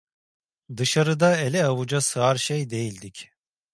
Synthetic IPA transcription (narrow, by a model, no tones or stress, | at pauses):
d̪ɯʃaɾɯd̪aelʲɛavud͡ʒasɯaɾʃejd̪e̞jilʲd̪ic